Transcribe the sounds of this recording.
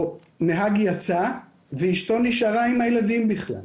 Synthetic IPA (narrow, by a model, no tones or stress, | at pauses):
neɦaɡjat͡sa | veiʃt̪o̞niʃaʁaimhajelad̪imbiχla̰l